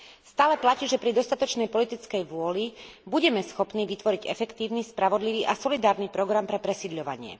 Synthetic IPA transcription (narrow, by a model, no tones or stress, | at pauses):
st̪aːlɛplaciːʒɛpɾid̪ɔst̪at̪ɔt͡ʃnɛjpɔlit̪it͡skɛjʋʊɔlibuɟɛmɛsxɔpniːʋit̪ʋɔɾiɟɛfɛkt̪iːʊnispɾaʋɔd̪liʋiːʔasɔlid̪aːɾnipɾɔɡɾampɾɛpɾɛsid̪ʎɔʋa̰ɲɪɛ̰